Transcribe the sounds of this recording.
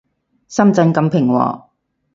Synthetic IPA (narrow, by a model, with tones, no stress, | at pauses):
sɐ˥mt͡sɐ˧nkɐ˧mpʰɪ˨˩ŋwɔ̰ː˨˩